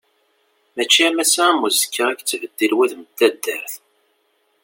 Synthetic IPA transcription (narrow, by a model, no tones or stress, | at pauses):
mæt͡ʃːimæsæmuzkʰːakt͡sːvəd̪ːilwæθməd̪ːæd̪ːəɾθ